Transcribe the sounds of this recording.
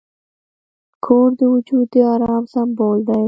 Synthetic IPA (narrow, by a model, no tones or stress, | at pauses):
kʰoːɾd̪əwʊd͡ʒud̪d̪əɑɾɑːmsamboːld̪aj